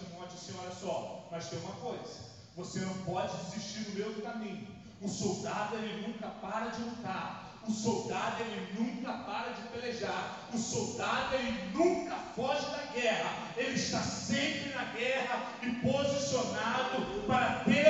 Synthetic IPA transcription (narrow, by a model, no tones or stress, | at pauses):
imɔ̃d͡ʒɪsẽɲɔɾɐsɔmɐst̪ẽj̃ũmɐkojzɐ | vosenɐ̃w̃pɔd͡ʒɪziʃt͡ʃiɾnʊmewd̪ʊkamĩɲʊ | ʊsowd̪ad̪ʊelɪnũkɐpaɾɐd͡ʒɪlut̪aɾ | ʊsowd̪ad̪ʊelɪnũkɐpaɾɐd͡ʒɪpeleʒaɾ | ʊsowd̪ad̪ʊelɪnũkɐfɔʒɪd̪ɐɡɛɦɐ | elɪɪʃt̪asẽpɾɪnɐɡɛɦɐ | ɪpozisionad̪ʊpaɾɐt̪eɾ